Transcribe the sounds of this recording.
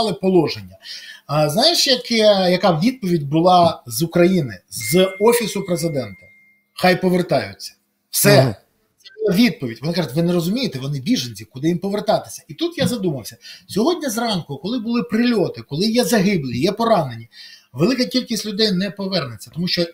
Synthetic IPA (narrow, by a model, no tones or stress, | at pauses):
lˠɪpɔlˠɔʒenʲːɐznɑjɪʃjɐkɛjɐkɑʋʲid̪̚pɔʋʲidʲbʊlˠɑzʊkɾɐjinɪzɔfʲisʊpɾezɪd̪ɛnt̪ɐ | xɑjpɔʋert̪ɑjʊ̰t͡sʲːɐ̥ | wsɛ | lˠɐʋʲid̪̚pɔʋʲitʲʋɔnɪkɑʐʊtʲʋɪneɾɔzʊmʲijɪt̪ɛʋɔnɪbʲiʒenʲt͡sʲikʊd̪ɪjimpɔʋert̪ɑt̪ɪ̥sʲɐit̪ut̪jazɐd̪umɐwsʲɐsʲɔɦɔdʲnʲɐzrɑnkʊkɔlˠɪbʊlˠɪpɾɪlʲɔt̪ɪkɔlˠɪjɛzɐɦɪblʲijɛpɔɾɑne̞nʲiʋelˠɪkɐkʲilʲkʲisʲtʲlʲʊd̪ɛjnɛpɔʋɛrnet͡sʲːɐt̪ɔmuʃt͡ʃɔ